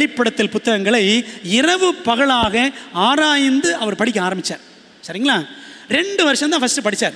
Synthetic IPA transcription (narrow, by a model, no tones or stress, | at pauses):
ɐɽɪpːɐɽɐt̪ːɪlpʊt̪ːɐɣɐŋɡɐɭɐɪɪrɐʋɯpɐɣɐɭaːɣɐaːɾaːjɪnd̪ɯʔɐʋɐɾpɐɽɪk̬ʲːɯaːɾɐmbɪt͡ʃːaːɾ | sɐɾɪŋɡɐɭaːɾɛɳɖɯʋɐɾɪʂɐ̃mt̪ãːfɐsʈɯpɐɽɪt͡ʃːaːɾ